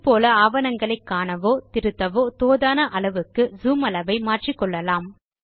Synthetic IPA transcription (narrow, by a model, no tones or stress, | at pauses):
poːlɐaːʋɐnɐŋɡɐɭɐɪkːaːnɐʋoːt̪ɪɾɯt̪ːɐʋoːt̪oːðaːnɐʔɐɭɐʋɯkːɯzuːmɐlɐʋɐɪmaːʈrikːɔɭːɐlaːm